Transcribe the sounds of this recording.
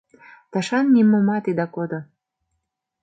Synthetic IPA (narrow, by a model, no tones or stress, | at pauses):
t̪ɑʃɑnːimomɑt̪id̪ɑkod̪o